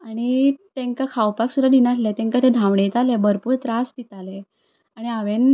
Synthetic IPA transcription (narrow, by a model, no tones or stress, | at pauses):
aɽ̃it̪ẽŋkakʰawpaksud̪ʱad̪inat̪ʰlet̪ẽŋkat̪ʰed̪ʱãʋɳet̪alebəɾpuːɾt̪ɾast̪it̪ale | aɽ̃iaʋen